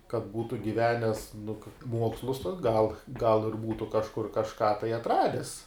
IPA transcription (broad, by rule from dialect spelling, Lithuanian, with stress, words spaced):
kɐt ˈbuːtʊ ɡʲɪˈʋʲæːnʲɛs nʊ kɐ ˈmuɔkslˠʊs tuɔs ɡɐlˠ ɡɐlˠ ɪr ˈbuːtʊ kɐʃˈkʊr kɐʃˈkɑː tɐɪ ɐtˈrɑːdʲɛs